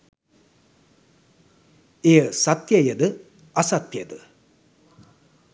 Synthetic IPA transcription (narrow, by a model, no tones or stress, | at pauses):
ejəsat̪jɐjəd̪ə | ɐsat̪jɐd̪ə